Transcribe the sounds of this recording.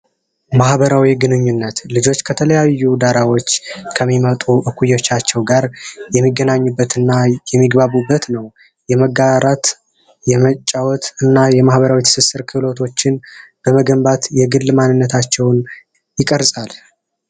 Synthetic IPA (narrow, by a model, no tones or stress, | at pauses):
mahbəɾawiɡɨnɨɲːunːət̪lɨd͡ʒo̞t͡ʃːkʰət̪ʰələjajːud̪aɾawo̞t͡ʃːkʰəmːimət̪ʼuʔɨkʷʰːujo̞t͡ʃːat͡ʃːɛwɡaɾjɛmːiɡənaɲːubːət̪ɨnːajɛmːiɡbaβubːət̪nəw | jɛməɡaɾat̪ | jɛmət͡ʃʼːawɔt̪ɨnːajɛmahbəɾawit̪ʰɨ̥sɨsɨɾkʰɨlo̞t̪ʰo̞t͡ʃːɪnb̥əməɡəmbat̪jɛɡɨlːmanːɨnːət̪ʰat͡ʃːɛwn | jɪkʼəɾsʼal